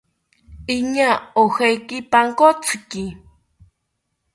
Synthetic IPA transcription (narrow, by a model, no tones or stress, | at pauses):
iɲaohejkipaŋkot͡sʰɨki